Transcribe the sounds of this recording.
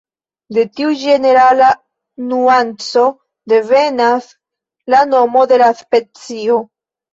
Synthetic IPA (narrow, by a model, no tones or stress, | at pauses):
de̞tiud͡ʒe̞ne̞ɾala | nuant͡so̞ | de̞ve̞nas | lano̞mo̞de̞laspe̞t͡sio̞